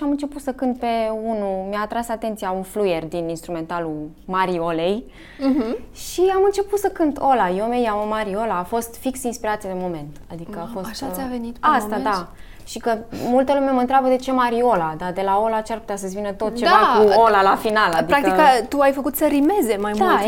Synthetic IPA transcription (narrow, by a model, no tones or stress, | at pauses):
amɨnt͡ʃe̞put̪səkɨnt̪̚pe̞unumjaːt̪ɾasat̪e̞nt̪sijaunflujerd̪ininst̪ɾume̞nt̪alu | maɾio̞lej̩ | ʃiamɨnt͡ʃe̞put̪səkɨnt̪ʰo̞lajomejaomaɾio̞laːfo̞st̪fiksinspiɾat̪siad̪emo̞me̞nt̪ad̪ikəafo̞sʃaavenit̪ast̪ad̪a | ʃikəmult̪əlumeməɨnt̪ɾʲabəd̪e̞t͡ʃe̞maɾio̞lad̪ad̪e̞lao̞lat͡ʃearput̪easəsʲvinət̪o̞t̪̚t͡ʃe̞vakuolalafinalad̪iɾakt̪ikət̪uajfəkut̪səɾime̞zemajmd̪a